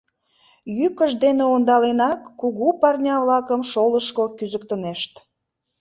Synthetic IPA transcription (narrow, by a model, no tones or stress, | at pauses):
jykəʃd̪eneond̪ɑlenɑkːuɣupɑrnʲɑβlɑkəmʃoləʃkokyzək̚t̪əneʃt̪